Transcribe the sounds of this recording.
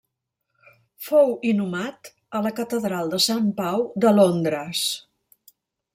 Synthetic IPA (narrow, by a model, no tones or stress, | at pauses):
fowinumat̪ | ələkət̪əðɾalˠd̪əsampawd̪əlond̪ɾəs